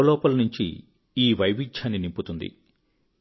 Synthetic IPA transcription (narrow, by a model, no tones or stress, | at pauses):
ɐlɔːpɐlɐnuɲt͡ʃḭ | iːʋɐjʋid͡ʒʰaːnːinimput̪und̪ḭ